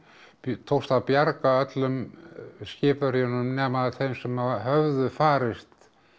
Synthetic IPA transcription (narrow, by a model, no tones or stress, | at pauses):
t̪ʰowst̪avpjaɾkaœt̪lʏmscɪːpʏɾjɔnʏmnɛːmaθejmsɛmahœvðʏfaːɾɪst̪